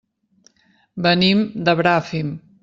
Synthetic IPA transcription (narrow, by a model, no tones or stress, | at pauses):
bənimd̪əβɾafim